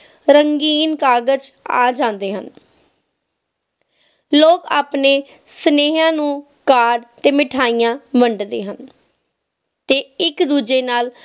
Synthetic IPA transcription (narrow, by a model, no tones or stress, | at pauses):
ɾəŋɡiːnkaːɡəd͡ʒa̰ːd͡ʒãːnd̪eːɦən | loːka̰ːpneː | səneːɦãːnũː | kaːɖt̪eːmɪʈʰaːiːjãːʋəɳɖd̪ḛːɦən | t̪eːɪkd̪uːd͡ʒeːnaːl